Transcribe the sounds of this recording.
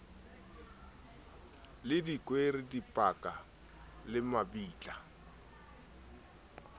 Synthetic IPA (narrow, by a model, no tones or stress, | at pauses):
lɪdikʼweridipʼakʼa | lɪmabiːt͡ɬʼa